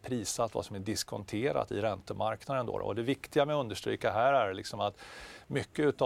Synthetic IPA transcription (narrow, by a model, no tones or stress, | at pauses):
pʰɾiːsat̪va̰sɔmæɖɪskʰɔ̰nt̪ʰeːɾa̰t̪ɪ̰ɾɛnt̪əmaɾknad̪ənd̪o̰ːɾɔ̰ɔd̪ɛvɪkt̪ɪɡamɛɵnd̪əʂt̪ɾḭːkaɦæːɾæɾlɪksɔmat̪mʏkːəʉ̟ːt̪ɑ